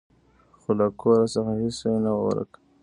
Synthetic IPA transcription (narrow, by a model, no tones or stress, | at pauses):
xolakʰoɾasəxahisanawawa̰ɾa̰k